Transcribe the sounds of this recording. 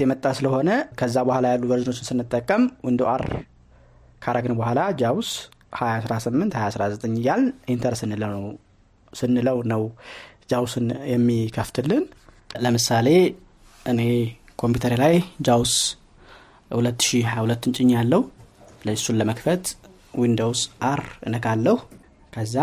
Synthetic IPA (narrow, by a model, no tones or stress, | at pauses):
jɛmət̪ʼːasɨləho̞nəkʰəzːabəhʷalajalːubəɾzɨno̞t͡ʃːɪnsɨnːɨt̪ʼːəkʼːəmwənd̪uʔaɾ | kʰaɾaɡɨnbəhʷalad͡ʒaws | hajasɾasɨmːɨnt̪hajasɾazət̪ʼəɲːjalːʔint̪ʰəɾsɨnːɨlə | sɨnːɨləwnəwd͡ʒawsɨnjɛmːikʰəft̪ʰɨlːɨn | ləmɨsale̞ | ʔɨne̞ | kʰo̞mput̪ʰəɾilajd͡ʒaws | hulət̪ːɨ̥ʃihajhulət̪ːɨnt͡ʃʼɪɲːjalːəhuləɪsunləməkfət̪ | wind̪owsʔaɾɨnəkalːəhu | kʰəzːa